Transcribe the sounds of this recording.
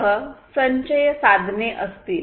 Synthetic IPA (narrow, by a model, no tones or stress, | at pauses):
ɦəsəɲɕəjəsad̪ʱneʔəst̪iːl